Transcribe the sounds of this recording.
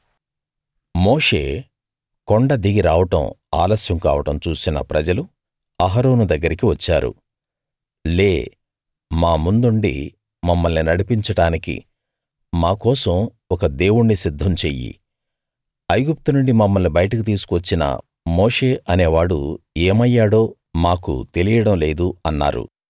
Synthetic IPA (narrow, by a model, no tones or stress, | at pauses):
moːʂe̞̰ː | koɳɖɐd̪iɡiɾaːʋɐʈɐ̰ma̰ːlɐsjɐmka̰ːʋɐʈɐmt͡ʃuːsinɐ̰pɾɐd͡ʒɐlu | ɐɦɐɾoːnud̪ɐɡːɐɾikiʋɐt͡ʃːaːɾṵ | leː | maːmund̪uɳɖḭ | mɐmːɐlninɐɽipiɲt͡ʃɐɽaːnikḭ | maːkɔːsɐ̃m | ɔkɐd̪eːwuɳnisid̪ʱːɐmt͡ʃeːjːḭ | ɐjɡup̚t̪unuɳɖimɐmːɐlnibɐjɐʈɐkit̪̬iːsu̥kuʋɐt͡ʃːinɐ̰ | moːʂe̞ːʔɐneːʋaːɽṵeːmɐjːaːɽo̞ː | maːkṵt̪e̞lijɐɽɐmle̞ːd̪uɐnːa̰ːɾṵ